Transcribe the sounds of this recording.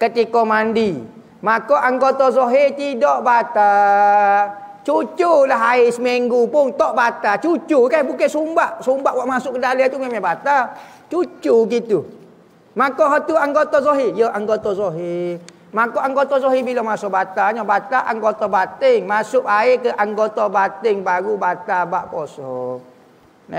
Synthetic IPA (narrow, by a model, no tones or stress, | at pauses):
kət̪ikɔmandi | makɔʔaŋɡot̪ɔzoɦit̪idɔʔbat̪a | t͡ʃut͡ʃulaɦaɪsəmiŋɡupʊnt̪ɔʔbat̪at͡ʃut͡ʃukabukasumbaʔsumbaʔwaʔmasʊʔkədalet̪umemabat̪a | t͡ʃut͡ʃuɡit̪u | makɔɦat̪uaŋɡot̪ɔsoɦijəʔaŋɡot̪ɔsoɦi | makɔʔaŋɡot̪ɔsoɦibilɔmasɔʔbat̪aɲɔbat̪aʔaŋɡot̪ɔbat̪ɪŋmasʊʔaɪkəʔaŋɡot̪ɔbat̪ɪŋbaɡubat̪abaʔposɔ | nɛ̰